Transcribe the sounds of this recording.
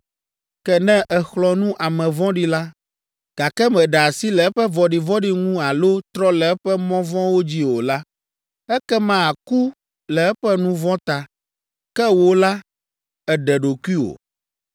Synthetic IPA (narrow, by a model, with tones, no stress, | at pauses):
kɛ˦nɛ̃˦ʔɛ˨xlɔ˦nũ˦ʔa˨mɛ̃˨vɔ̃˦ɖi˦la˦ | ɡ̥a˨kɛ˦mɛ̃˨ɖa˨a˨si˦lɛ˨ɛ˦ɸɛ˦vɔ˨ɖi˨vɔ̃˦ɖi˦ŋũ˦a˨lo˦t̪ɾɔ˦lɛ˨ɛ˦ɸɛ˦mɔ̃˦vɔ̃˦wo˦d͡ʑi˦o˨la˦ | ɛ˦kɛ˦mã˦a˨ku˦ | lɛ˨ɛ˦ɸɛ˦nũ˦vɔ̃˦t̪a˨ | kɛ˦wo˨la˦ | ɛ˨ɖɛ˨ɖo˨ku˦i˦o̰˨